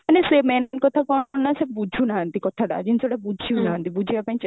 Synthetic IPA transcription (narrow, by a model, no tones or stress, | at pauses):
ɐnesemɛnnkɔt̪ʰakɔɳːasebud͡ʒʱunaɦant̪ikɔt̪ʰaɖa̰d͡ʒinsoɽabud͡ʒʱiunaɦant̪ibud͡ʒʱiapãĩt͡ʃ